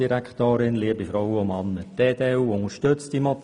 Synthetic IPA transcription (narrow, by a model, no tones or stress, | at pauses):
iɾækt̪oːɾɪnliːəbifɾɔwəomɑnːəd̥eːdeːuʊŋəʃtøt͡stdimɔt